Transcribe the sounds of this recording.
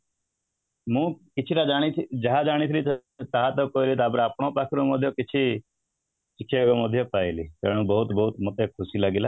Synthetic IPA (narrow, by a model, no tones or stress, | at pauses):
mũːkɪt͡ʃʰiɾad͡ʒaːɽ̃it̪ʰd͡ʒəɦãd͡ʒaːɽ̃it̪ʰɪlit̪t͡ʃaɦãt̪okoːilit̪aːbɾaːpɳ̃õːpaːkʰɾoməd̪ʱjokɪt͡ʃʰi | t͡ʃɪkʰeɡoməd̪ʱjopaːeliːt̪ɛːɽ̃ũbəɦʊt̪bəɦʊt̪mɔt̪ekʰʊsilaːɡilaː